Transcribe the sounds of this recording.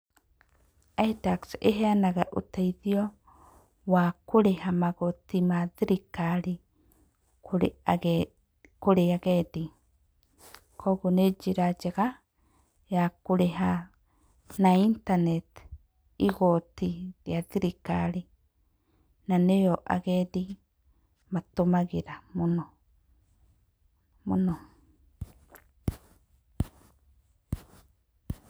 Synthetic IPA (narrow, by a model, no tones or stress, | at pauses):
aitakseɦeanaɣaʔutaiðiɔ | wakoɾehamaɣotimaðiɾikaɾi | koɾeaɣedi | kʰɔɣoned͡ʒiɾad͡ʒeɣa | jakoɾeɦa | naint̪anet̪ | iɡot̪iɾiatiɾikaɾi | nanejoʔa̰ɡed̪i | mat̪omaɡiɾamuno | muno